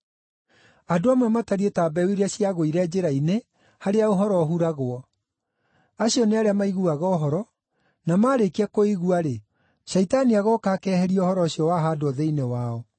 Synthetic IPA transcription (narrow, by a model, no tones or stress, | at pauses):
adoamwɛmataɾietaːbɛwiɾeaɕiaɣoiɾɛd͡ʑeɾaine | haɾeaoɦɔɾɔɦuɾaɣoɔ | aɕiɔneaɾeamaiɣuaɣɔɦɔɾɔ | namaːɾekiɛkoiɣuaɾe | ɕɛitaniaɣɔkaːkɛːhɛɾiɔhɔɾɔɕiɔwaɦadoɔðeinewaɔ